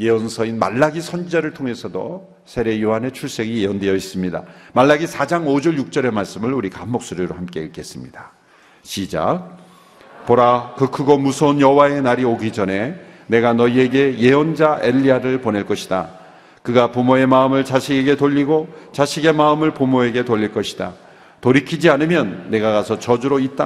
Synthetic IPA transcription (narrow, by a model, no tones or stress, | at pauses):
je̞ʌnsʰʌinma̰ɭːaɡisʰʌnd͡ʑid͡ʑaɾɯɭtʰoŋe̞sʰʌdo̰ | sʰe̞ɾe̞joɦane̞t͡ɕʰuɭs͈e̞ɡije̞ʌndejʌis͈ɯmɲida̰maɭːaɡisʰad͡ʑaŋod͡ʑʌɭjuk̚t͡ɕ͈ʌɾe̞maɭs͈ɯmɯɭuɾikamːok̚s͈oɾiɾohamk͈e̞ik͈e̞s͈ɯmɲid̥a | ɕid͡ʑa̰ | poɾakɯkʰɯɡomusʰʌnjʌwae̞naɾioɡid͡ʑʌne̞ne̞ɡanʌie̞ɡe̞je̞ʌnd͡ʑaʔeʎːiaɾɯɭpone̞ɭk͈ʌɕʰida̰ | kɯɡapumoe̞maɯmɯɭt͡ɕaɕʰiɡeɡe̞toʎːiɡot͡ɕaɕʰiɡe̞maɯmɯɭpumoe̞ɡe̞toʎːiɭk͈ʌɕʰi̥da̰ | toɾikʰid͡ʑianɯmjʌnːe̞ɡakasʰʌt͡ɕʌd͡ʑuɾoit͈a